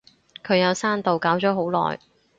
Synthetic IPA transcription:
kʰɵ˨˧ɥjɐ˨˧wsaː˥nt̪o˨wkaː˨˥wt͡ʃɔː˨˥ɦo˨˥wlɔ̰ː˨j

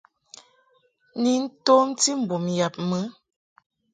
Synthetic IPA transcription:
ni˨n̩˦to˦m˦ti˦m̩˨bu˨mja˨p̚mə˨˦

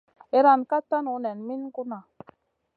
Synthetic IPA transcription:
e˨˦ɾa˨nka˦ta˦nu˨˦nɛ˨nmi˦n˦ku˦na˨

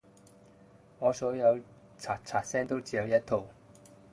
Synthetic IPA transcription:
ŋɔː˨˧sɔː˨˥jɐ˨˧w | t͡sʰaː˨˩t̚t͡sʰaː˨t̚sɛː˥ŋt̪o˥wt͡si˨˧jɐ˨˧wjɐ˥t̚t̪ʰo˨w

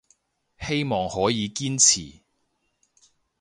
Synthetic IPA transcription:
he˥jmɔː˨ŋhɔː˨˥jiː˨˧kiː˥nt͡sʰiː˨˩

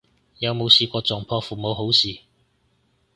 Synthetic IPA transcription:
jɐ˨˧wmo˨˧wsiː˨˧kʷɔː˧t͡sɔː˨˩ŋpʰɔː˧fuː˨mo˨˧wɦo˨˥wsiː˨

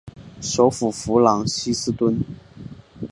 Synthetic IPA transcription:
ʂo˧˥ʊfu˨˩fu˧˥˦lɑ˨˧˥ŋɕi˥sɹ̩˥t̪wə˥n

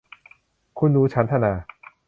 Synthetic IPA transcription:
kʰu˧nɾuː˦˥t͡ɕʰa˦˥nt̪ʰa˧naː˧

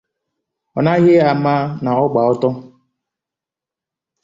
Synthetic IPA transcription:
ɔ̰˨na˦ɣɪ˦a˨ma˦na˨ɔ˦ɡ͡ba˨ɔ˦tɔ˦

